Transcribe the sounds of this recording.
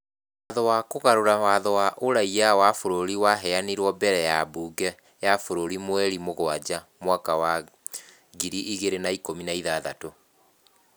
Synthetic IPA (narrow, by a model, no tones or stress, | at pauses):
waðɔwakoɣaɾoɾawaðɔwaʔoɾaiawafoɾoɾiwaɦɛaniɾwɔbɛɾɛjabuːɡɛ | jafoɾoɾimwɛɾimoɣwad͡ʑamwakawa | ɡiɾiʔiɣeɾenaikominaiðaːðato